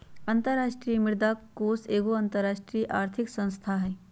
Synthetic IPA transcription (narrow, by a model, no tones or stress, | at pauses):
ɐ̃nt̪əɾːaːʃʈɾiːmɪɾd̪akoːseːɡoɐ̃nt̪əɾaːʃʈɾijʔaːɾt̪ʰɪksə̃nst̪ʰaɦɛː